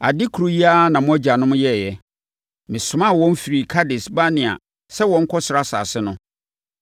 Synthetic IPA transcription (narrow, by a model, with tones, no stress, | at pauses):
a̰˨dɪ˦kʰu˨ɾo˨˦ji˦a˦nã˨mʊ̃˦æ˦d͡ʑa˨nʊ̃˦m̃˦jɛ˦˨jɛ˦˨ | mɪ̃˨sʊ˨mã˦˨wɔ̃˦m˦fi˨ɾi˨kʰa˦dɪ˨sba˦nɪ̃˨a̰˨ | sɛ˦wɔ̃˨˦ŋ̩˦kʰɔ˦sʊ˨ɾa˦sa̰ː˨sɪ˦nʊ̃˦